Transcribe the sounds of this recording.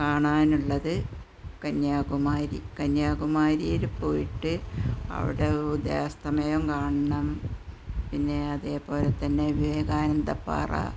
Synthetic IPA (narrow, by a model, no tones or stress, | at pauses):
kaːɳaːnuɭːɐðɨ | kɐnːaːkumaːɾḭkɐnːaːkumaːɾijilupo̞ːjiʈːɨɐ̰ʋḭɽeud̪jḛːɐst̪ɐmɐjɐmkaːɳɐɳɐm | pinːe̞ɐðe̞ːpo̞ːlet̪ːɐnːe̞ʋʋeːɡaːnɐnd̪ɐpːa̰ːra̰